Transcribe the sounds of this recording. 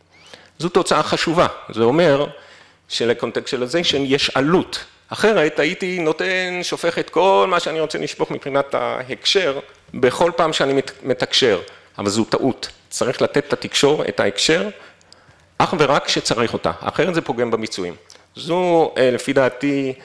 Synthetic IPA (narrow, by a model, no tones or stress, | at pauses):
zuto̞t͡saaχaʃuvazeo̞me̞ʁ | ʃeleko̞nt̪ekstʃelazeʃejeʃalut | aχe̞ʁe̞taitino̞tenʃofe̞χetko̞lmaʃeaniʁo̞t͡selʔiʃpo̞χmipχinata̰ekʃe̞ʁ | be̞χo̞lpaːmʃeanimme̞takʃe̞ʁʔavalzuta̰ʔut | t͡saʁiχlat̪etːatikʃo̞ʁḛta̰ekʃe̞ʁ | ʔaχve̞ʁakʃet͡saʁiχota̰a̰χe̞ʁetzepo̞ɡe̞mbemit͡suḭmzule̞fidaːti